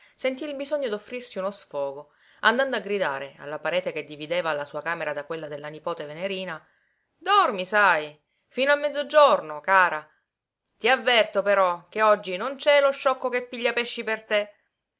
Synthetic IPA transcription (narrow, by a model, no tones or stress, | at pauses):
sent̪iːlbizɔɲːod̪ofːɾirsiunosfɔːɡo | and̪and̪oaɡɾid̪a̰ːɾea̰lːapaɾɛːt̪eked̪ːivid̪eːvaːlːasuːakaːmeɾad̪akwelːad̪elːanipoːt̪eveneɾiːna | d̪ɔrmisaj | fiːnoamːɛd̪zːod͡ʒornokaːɾa | t̪iavːɛrt̪opeɾɔk̟eɔd͡ʒːinont͡ʃɛloʃːɔkːokepːiʎːapɛʃːipert̪e